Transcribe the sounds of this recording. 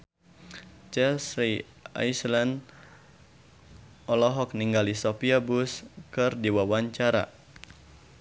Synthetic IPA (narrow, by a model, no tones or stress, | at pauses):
t͡ʃɛlsɾi | a̰jslan | ʔɔlɔɦɔk̚niŋɡalisopiabuskɨrdiwawaɲt͡ʃaɾa̰